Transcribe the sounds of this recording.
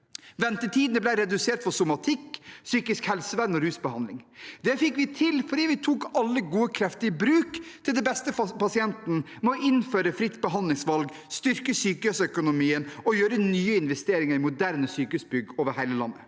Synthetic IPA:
ʋɛnt̪əʈʰiːd̪nəblæɪɾɛd̪ʉseːʈ̪fɔsʊmɑt̪ʰɪkːsyːkɪskhɛlsəʋænːɔɾʉːsbəhɑnlɪŋd̪ɛfɪkːʋɪt̪ʰɪlfɔɖiːʋɪt̪ʰuːkɑlːəɡuːəkʰɾɛft̪ɪəbɾʉːkt̪ʰɪld̪ɛbɛst̪əpɑsɪɛnt̪n | mɔʔɪnføːɾəfɾɪt̪ːbəɦɑnd̪lɪŋsʋɑlɡ | st̪ʏɾkəsyːkəœsœkʊnʊmiːənɔjøːɾənyːəɪnʋɛst̪eːɾɪŋəɾɪmʊd̪æɾnəsyːkəʉsbʏɡoːʋəɾhæɪləlɑ̰nːə

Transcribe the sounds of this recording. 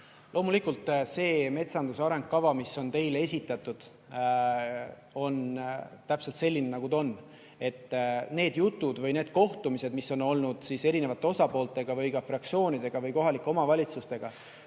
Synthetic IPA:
lʔo̞ːmulikult̪ˑse̞ːme̞t̪sɑnd̪usɑɾe̞ŋɡ̥̚kɑvɑmisːo̞nt̪e̞jle̞sʲit̪ːˑɑt̪ːˑud̪̥ | o̞nt̪æpse̞lt̪se̞lʲːinenɑɡud̪o̞nː | e̞t̪ːne̞ːd̪̥jut̪ːˑud̪̥vɯjne̞ːd̪̥̚ko̞ht̪umise̞d̪̥misːo̞no̞lnud̪̥sise̞ɾine̞vɑt̪ːˑe̞osɑpo̞ːlt̪ˑe̞ɡ̥ɑvɯjɡɑfrɑkt̪sio̞ːnid̪e̞ɡ̥ɑvɤjko̞ɦɑlikːˑeo̞mɑvɑlʲit̪sust̪e̞ɡ̥ɑ

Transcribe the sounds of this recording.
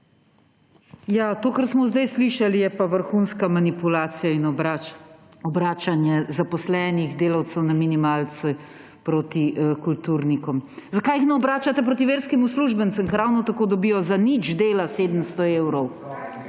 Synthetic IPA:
jat̪oːkaɾsmɔzd̪ajsliʃalijɛpaʋəɾxuːnskamanipulaːt̪sijainɔb | ɔbɾaːt͡ʃanjɛzapɔslɛːniɣd̪eːlɐwt̪sɛwnaminimalt̪sɛ | pɾoːt̪ikult̪uɾnikɔmzakajixnɛɔbɾaːt͡ʃat̪ɛpɾot̪̬iʋeːɾskimusluʒbənsəmkɾawnɔt̪akoːd̪ɔbijɔzanid͡ʒd̪eːlaseːd̪əmst̪ɔeːwɾɔw

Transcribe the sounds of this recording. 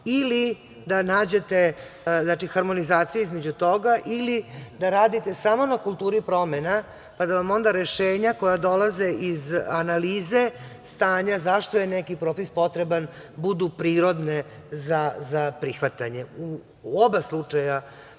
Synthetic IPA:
ili | d̪anaːd͡ʑe̞t̪e̞znat͡ʃixaɾmo̞nizaːt̪sijuizme̞d͡ʑut̪o̞ɡaʔilid̪aɾaːd̪it̪e̞samo̞nakulˠt̪uːɾipɾo̞mena | pad̪aʋamo̞nd̪aɾe̞ʃeːɲako̞jad̪o̞laze̞ʔizanaliːze̞st̪aːɲazaʃt̪ojenekipɾo̞ːpispo̞t̪ɾe̞ban | bud̪upɾiːɾo̞d̪ne̞ | zazapɾixʋat̪aɲe̞u | obaslˠut͡ʂaja

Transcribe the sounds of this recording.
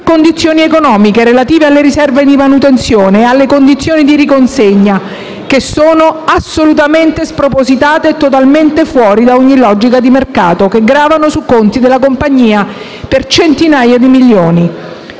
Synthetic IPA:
kond̪it̪sːjoːniekonɔːmikeɾelat̪iːvealːeɾisɛrved̪imanut̪ent̪sjoːnealːekond̪it̪sːjoːnid̪iɾikonseɲːa | kesoːnoasolut̪ament̪espɾopozit̪aːt̪eːt̪ːot̪alment̪efwɔːɾid̪aoɲːilɔd͡ʒikad̪imerkaːt̪okeɡɾaːvanosukːont̪id̪elːakompaɲːiːa | pert͡ʃent̪inaːjad̪imiljoːni

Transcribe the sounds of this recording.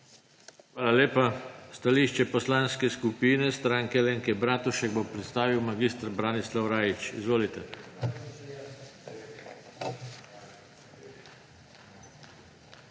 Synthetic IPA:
xʋaːlaleːpast̪aliʃt͡ʃɛpɔslanskɛskupiːnɛst̪ɾaːŋkɛleŋkɛbɾaːt̪uʃɛɡ̚bopɾɛt̪st̪aːʋiwmaɡist̪ɾbɾanislawɾaːjit͡ʃḭzʋoːlit̪ɛ

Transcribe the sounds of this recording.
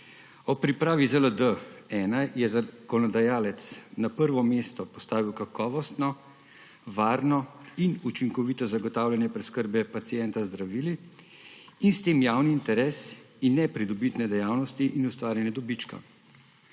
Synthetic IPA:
ɔpɾipɾaːʋizələd̪əɛːnajjɛzakɔnɔd̪ajaːlɛt̪snapəɾʋɔmest̪ɔpɔst̪aːʋiwkakɔːʋɔst̪nɔ | ʋaːɾnɔinut͡ʃiŋkɔʋiːt̪ɔzaɡɔt̪aːwlʲjɛnjɛpɾɛskəɾbɛpat̪sijɛnt̪azd̪ɾaʋiːliː | nst̪eːmjaːwniːnt̪ɛɾɛːs | inːɛpɾid̪ɔbit̪nɛd̪ɛjaːwnɔst̪iʔinust̪ʋaːɾjɛnjɛd̪ɔbit͡ʃka̰

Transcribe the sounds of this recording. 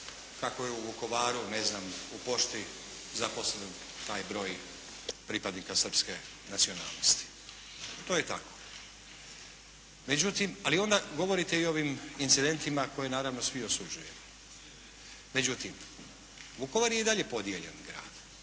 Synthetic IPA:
kako̞jeuʋuko̞ʋaːɾune̞znamupo̞ʃt̪i | zapo̞sled̪n | t̪aːjbɾo̞ːj | pɾipad̪nikasr̩pske̞ | nat̪sio̞na̰ːlˠnost̪i̥ | t̪o̞ːjet̪a̰ko̞̥ | me̞d͡ʑut̪imalio̞nd̪aɡo̞ʋo̞ɾit̪eio̞ʋimint̪sid̪e̞nt̪imako̞je̞naːɾaʋnosʋio̞sud͡ʒuje̞mo | me̞d͡ʑut̪im | ʋuko̞ʋaɾjeid̪aʎe̞po̞d̪jeʎḛnɡɾa̰ːd̪̥

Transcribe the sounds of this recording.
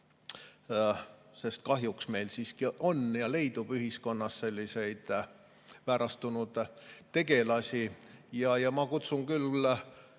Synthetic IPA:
se̞st̪̚kɑɦjuksme̞jlsiːskio̞njɑle̞jd̪̥ub̥yɦisko̞nːɑsse̞lʲːise̞jd̪̥ | væːɾɑst̪unud̪̥t̪e̞ɡe̞lɑsʲijɑjɑmɑkut̪suŋkyl

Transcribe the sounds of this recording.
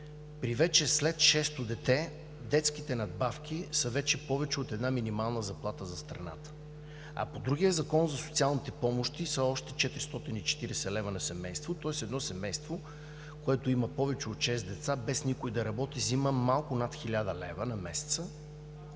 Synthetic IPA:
pɾivɛt͡ʃɛslɛt̪ʃɛst̪ʊd̪ɛt̪ɛ | d̪ɛt̪sk̟it̪ɛnɐd̪̚bafk̟ʰʲisɐvɛt͡ʃɛpɔvɛt͡ʃɛot̪ɛd̪naminimalˠnəzɐplˠat̪əzɐst̪ɾɐna̰t̪ə̥ | ɐ̰pod̪ɾuɡijəzɐkɔnzɐso̥t̪sialˠnit̪ɛpɔmoʃt̪isəɔʃt̪ɛ̥t͡ʃɛt̪ɾi̥st̪ɔt̪init͡ʃɛ̥t̪iɾɛsɛlɛvənɐsɛmɛjst̪vot̪ɔɛsɛd̪nɔsɛmɛjst̪vo | koɛt̪ʊimɐpɔvɛt͡ʃɛot̪ʃɛst̪d̪ɛt̪sabɛsnikʊid̪ɐɾɐbɔt̪iziməmalˠkʊnat̪xilʲad̪əlɛvənɐmɛsɛ̥t̪sə

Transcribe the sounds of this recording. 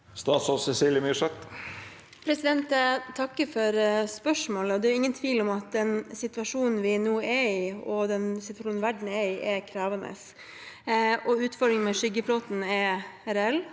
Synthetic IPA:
st̪ɑːt̪sɔsɛsiːljəmyʂɛt̪ | pʰɾɛsɪd̪ɛnt̪t̪ʰɑkːəfɔɾspœʂmoːləɔd̪ɛæɾɪŋːənt̪ʰʋiːlɔmɑt̪̚d̪ɛnsɪt̪ʋɑʂuːnn̩ʋɪnuːɛɪɔd̪ɛnsɪt̪ʋɑʂuːnʋæɖɳ̩ɛɪʔɛkʰɾɑːʋɑnə̰s | ɔʉːt̪fɔɾɖɪŋmɛʂʏɡəfloːt̪n̩ɛɛɾɛlː

